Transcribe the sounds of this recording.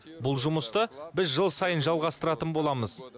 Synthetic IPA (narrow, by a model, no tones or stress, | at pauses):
bʊlˠʒʊməst̪əbɪzʒəlˠsɑjənʒɑlˠʁɑst̪əɾɑt̪ənbo̞lˠɑməz̥